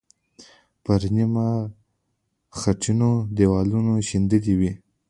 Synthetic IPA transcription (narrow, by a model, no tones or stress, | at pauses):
pəɾnima | xaʈ͡ʂinod̪ewɑlunoʃind̪əd̪iwi